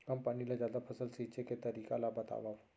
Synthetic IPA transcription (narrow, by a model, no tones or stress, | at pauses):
kɐmpanilad͡ʒjaːd̪apʰɐsəlsiːt͡ʃeket̪ɐɾiːkalabɐt̪a̰ːʋa